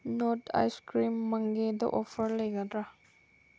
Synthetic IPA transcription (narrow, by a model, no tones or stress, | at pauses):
noʈa̰jskɾimːə̃ŋɡed̪ə̰ʔɔfəɾleɡatɾa